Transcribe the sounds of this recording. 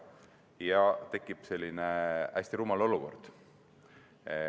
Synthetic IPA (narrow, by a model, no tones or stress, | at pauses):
jɑt̪e̞kːˑipse̞lʲːineæsʲt̪iɾuːmɑlo̞luko̞̰rd̪̥